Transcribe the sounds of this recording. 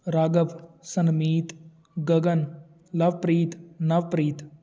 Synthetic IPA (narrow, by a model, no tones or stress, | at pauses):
ɾaːɡɐʋsɐnmiːt̪ | ɡɐɡɐn | lɐʋpɾiːt̪nɐʋpɾiːt̪